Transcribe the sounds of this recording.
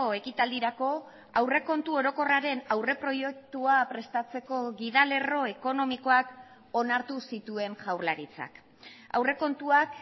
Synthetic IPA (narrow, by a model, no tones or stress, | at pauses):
oe̞kit̪ald̪iɾako̞ | awre̞ko̞nt̪uo̞ɾo̞ko̞raɾe̞nawre̞pɾo̞je̞k̚t̪uapɾe̞st̪at͡se̞ko̞ɣiðale̞ro̞e̞ko̞no̞miko̞ak | o̞naɾt̪usit̪ue̞nʝawɾlaɾit͡sa̰k | a̰wre̞ko̞nt̪uak